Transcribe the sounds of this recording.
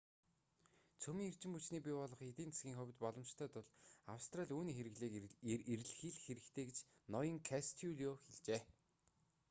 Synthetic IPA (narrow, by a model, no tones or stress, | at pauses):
t͡sʰɵmʲiːŋer̥t͡ɕɪ̆mput͡ɕniːpʲiːpɔɮɞ̆χet̪iːnt͡se̥sɡʲiːŋχʊ̟w̆ʲt̪pɔɮɞ̆mt͡ɕt̪ʰœːt̪ʊɮawst̪raɮʲuːniːxeɾɘ̆ɣɮeːeɾ̆ɮxiɮxeɾɘ̆kt̪ʰeːɡet͡ɕnɔjə̆ŋkʰast̪ʰiuɮioxeɮt͡ɕeː